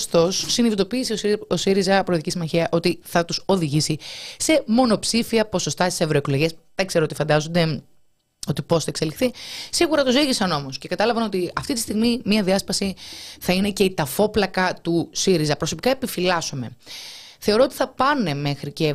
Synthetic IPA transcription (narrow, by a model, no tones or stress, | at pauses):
st̪o̞sːiniðit̪o̞piːsioosiɾizɐpɾooðicisimɐçiɐʔo̞t̪iθɐt̪uso̞ðiʝisise̞mo̞no̞psifiɐpo̞so̞st̪ɐsisevɾo̞ekloʝiesðekse̞ɾoot̪ifɐnd̪ɐzond̪e̞ | o̞t̪ipo̞sθɐekse̞lixθisiɣuɾɐt̪oziʝisɐno̞mosce̞kɐt̪ɐlɐvɐno̞t̪iɐft̪it̪ist̪iɣmimiɐðiɐspɐsiθɐine̞ce̞it̪ɐfo̞plɐkɐt̪usiɾizɐpɾo̞so̞pi̥kɐepifilɐsome̞̰ | θe̞o̞ɾoot̪i̥θɐpɐne̞me̞xɾice̞